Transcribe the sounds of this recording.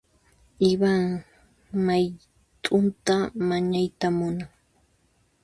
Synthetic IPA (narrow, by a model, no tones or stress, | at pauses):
ɪβaŋ | maj | t̪ʼʊnt̪amaɲajt̪amʊnaŋ